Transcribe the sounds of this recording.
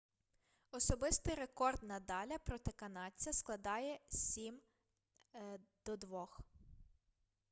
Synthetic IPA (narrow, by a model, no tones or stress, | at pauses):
ɔsɔbɪst̪ɪjɾekɔrd̪nɐd̪ɑlʲɐpɾɔt̪ɪkɐnɑt͡sʲɐsklˠɐd̪ɑjɛsʲim | d̪̥ɔd̪ʋɔx